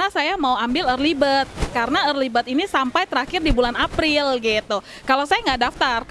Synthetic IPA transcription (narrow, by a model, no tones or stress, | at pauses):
nasajamauambɪlərlibət̪̚kaɾənaərlibət̪inisampajt̪əɾakɪrdibulanapɾɪlɡit̪u | kalawsajaŋɡaʔdaft̪ar